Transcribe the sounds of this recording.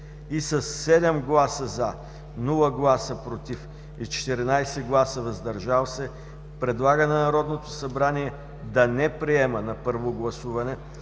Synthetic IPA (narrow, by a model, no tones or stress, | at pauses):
isəsːɛd̪ɛmɡlˠasəzɐ | nulˠəɡlˠasəpɾot̪if | it͡ʃɛ̥t̪ɛɾinajsɛɡlˠasəvɐzd̪ɐɾʒalˠsɛ | pɾɛd̪lˠaɡənɐnɐɾɔd̪not̪osɐbɾaniɛ | d̪ɐnɛpɾiɛmənɐpɤɾvoɡlˠɐsuvɐnɛ